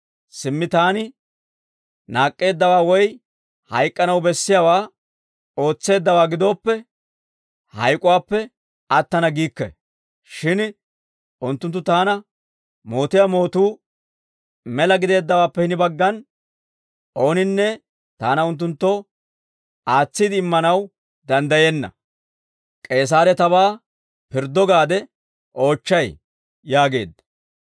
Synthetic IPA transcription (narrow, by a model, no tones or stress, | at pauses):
sɪmːɪt̪aːnɪ | naːkʼːe̞ːd̪ːɐwaːwɔj | hɐjkʼːɐnɐwbɛsːɪjawaː | o̞ːt͡sːe̞ːd̪ːɐwaːɡɪd̪o̞ːpːɛ | hɐ̰jkʼʊwaːpːɛ | ɐt̪ːɐnɐɡiːkːɛ̰ | ʃɪn | ʔʊnt̪ːʊnt̪ːʊt̪aːnɐ | mo̞ːt̪ɪjamo̞ːt̪uː | mɛlɐɡɪd̪e̞ːd̪ːɐwaːpːɛhɪnɪbɐɡːɐn | ʔo̞ːnɪnːɛ | t̪aːnɐʊnt̪̬ːʊnt̪ːɔ | ʔaːt͡sːɪd̪ɪːmːɐnɐw | d̪ɐnd̪ɐjenːɐ̰ | kʼe̞ːs̬aːɾɛt̪ɐbaː | pɪɾd̪ːɔɡaːd̪ɛ | ʔo̞ːt͡ʃːɐj | jaːɡe̞̰ːd̪ːɐ